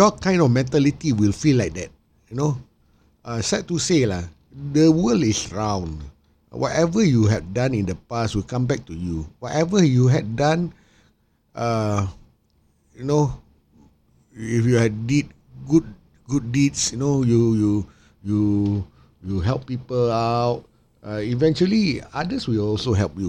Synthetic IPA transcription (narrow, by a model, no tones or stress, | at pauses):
jɔkãɪ̃ndɔfmɛ̃ntɛlitiwilfilaɪk̚dɛt̚ | juno | ʔasɛt̚tːusela | dəwəlisɹãw̃n | wɔ̰tɛvəjuɦɛfdãnĩndəpaswilkãmbɛk̚tujuwɔtɛvəjuɦɛfdãn | ʔa | juno | ifjuhɛdit̚ | ɡud̚ | ɡud̚ːitsjunojuju | ju | juɦɛlˠppːipəlaʊt̚ | aivɛ̃nt͡ʃuəliadəswilɔlsoɦɛlpju